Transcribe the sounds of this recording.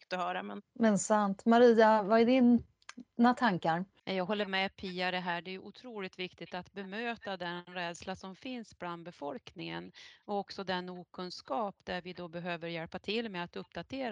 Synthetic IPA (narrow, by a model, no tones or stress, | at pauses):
t̪ɔhœːɾamɛnmɛnsant̪maɾiːavaɛɖɪn | nat̪ʰaŋkaɾnajɑːɡɦɔlːəɾmɛpʰiːaɾɛɦæːɖɛɛːjɵʔʊt̪ʰɾuːlɪt̪vɪkt̪ɪt̪at̪bɛmøːt̪ad̪ɛnɾɛːd̪slasɔmfɪnsbland̪̚bɛfɔlknɪŋə̰nɔɔksɔd̪ɛnːuːkʰɵnskɑːpd̪æɾvɪd̪ɔbɛɦøːvəɾjɛlpat̪ʰɪlːmɛat̪ɵpd̪at̪ʰeːɾa